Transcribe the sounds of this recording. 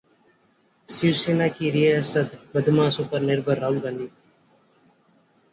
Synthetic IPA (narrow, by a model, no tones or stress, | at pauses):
siwsiːnaːkiːɾiəəsəd̪bəd̪mãːsupəɾnɪɾbəɾːaːulɡãnd̪iː